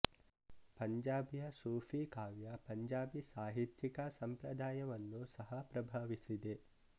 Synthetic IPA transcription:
pɐɲd͡ʒaːbjɐsuːfʰikaːʋjɐpɐɲd͡ʒaːbisaːɦit̪jikɐsɐmpɾɐd̪aːjɐʋɐnːusɐɦɐpɾɐbʱaːʋisid̪e

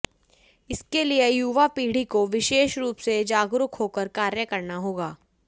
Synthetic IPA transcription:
ɪskeliejuːʋapiːɽ̤ikoʋɪʃeːʃɾuːpsed͡ʒaːɡɾʊkɦoːkəɾkaːɾjəkɐɾnaɦoːɡaː

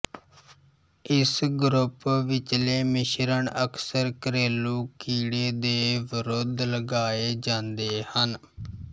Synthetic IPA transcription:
ɪsɡɾʊpʋɪt͡ʃleːmɪʃɾəɳəksəɾkəɾeːluːkiːɽeːd̪eːʋɪɾoːd̪ləɡaːeːd͡ʒãːnd̪eːhən

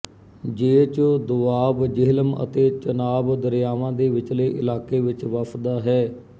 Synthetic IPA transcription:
d͡ʒeːt͡ʃod̪ʊaːbd͡ʒɪɦləmə̰t̪eːt͡ʃənaːbd̪əɾjaːʋãːd̪eːʋɪt͡ʃləːʔɪ̰laːkeːʋɪt͡ʃʋəpʰd̪aːɦɛː

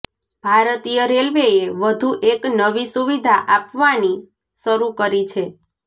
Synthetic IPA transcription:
b̥ʱaɾt̪ijəɾelʋeeʋəd̪ʱuʔeknəʋisuʋid̪ʱaʔapʋani | ʃəɾukəɾit͡ʃʰe

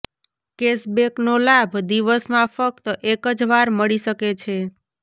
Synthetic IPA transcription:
kesbeknolabʱd̪iʋəsmãfək̚t̪əʔekəd͡ʒʋaɾməɭiʃəket͡ʃʰe

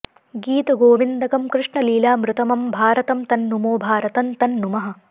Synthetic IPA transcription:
ɡiːt̪ɐɡoːʋind̪ɐkɐmkɾɪʂɳɐliːlaːmɾut̪ɐmɐmbʱaːɾɐt̪ɐmt̪ɐnːumoːbʱaːɾɐt̪ɐnt̪ɐnːumɐɦɐ̆

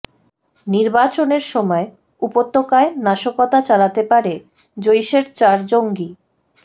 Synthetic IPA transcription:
niɾbat͡ɕoneɾʃɔmɔe | upot̪ːokaenaʃokot̪at͡ɕalat̪epaɾe | d͡ʑojʃeɾt͡ɕaɾd͡ʑoŋɡi

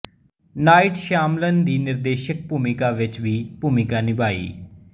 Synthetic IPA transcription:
naːɪʈʃaːmlənd̪iːnɪɾd̪eːʃək̚puːmɪkaːʋɪt͡ʃʋiːpuːmɪkaːnɪbaːḭː

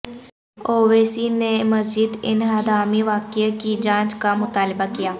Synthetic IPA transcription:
oːʋeːsiːneməsd͡ʒɪd̪ɪnɦad̪aːmiʋaːkɪakid͡ʒãːt͡ʃkamʊt̪aːlbakɪjaː

